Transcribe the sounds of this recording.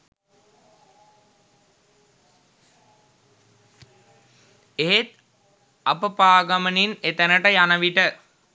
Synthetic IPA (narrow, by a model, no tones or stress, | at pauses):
eɦet̪̚ | apəpaːɡɐməninet̪ənəʈəjanəʋiʈə